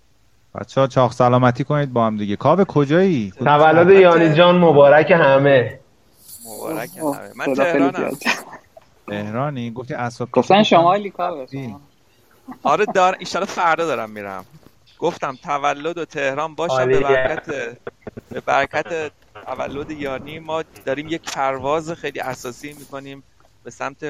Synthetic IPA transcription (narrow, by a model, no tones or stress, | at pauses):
b̥æ̰t̪t͡ʃʰːet͡ʃʰɒːχsælɒːmæt̪ʰiːkʰoniːd̪̚bɒːhæmd̪iɟekʰɒːbekʰo̞d͡ʒɒːit̪ʰævælːod̪ejɒːnid͡ʒɒːnmobɒːɾækehæme | mobɒ̰ːɾækʰehæ̰mḛmæneheɾlːn̰ːd̪ | t̪ʰehɾɒːniɡoft̪ʰiæsɒːbɡofnʃomlikːi | ɒɾed̪ɒːɾʔiʃɒːlɒfæɾd̪ɒːd̪ɒːɾæmːiːɾæ̰m | ɡ̥o̞ft̪æmt̪ʰævælːo̞d̪ot̪ʰe̞hɾɒːnbɒːʃæmeæɾæt̪ʰebebæ̰ɾæcʰæt̪ʰe | t̪ʰævæ̰lːod̪ejɒːniːmɒːd̪̥ɒːɾiːmjecpʰæɾvɒːzexejliːʔæsɒːsiːmiːko̞niːm | b̥e̞sæmt̪ʰe